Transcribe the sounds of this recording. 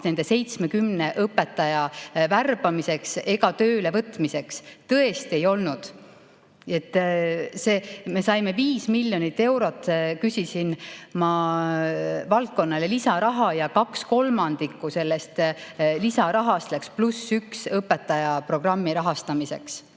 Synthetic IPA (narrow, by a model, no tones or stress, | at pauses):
ne̞nd̪e̞se̞jt̪smekymne̞ʔɤpːe̞t̪ːˑɑjɑværb̥ɑmise̞kse̞ɡɑt̪ø̞ːle̞vɤt̪ːˑmise̞kst̪ɤ̞e̞st̪ie̞jo̞lnud̪̥ | e̞t̪ːse̞ːme̞sɑjme̞viːsmilʲjonit̪ːe̞wɾo̞t̪ːˑkysʲisinmɑ | vɑlt̪̚ko̞nːɑlelisɑɾɑɦɑjɑkɑksko̞lmɑnd̪̥ikːˑuse̞lːest̪lisɑɾɑɦɑst̪leksplusːyksɤpːe̞t̪ːˑɑjɑpro̞ɡ̥rɑmːiɾɑɦɑst̪ɑmise̞ks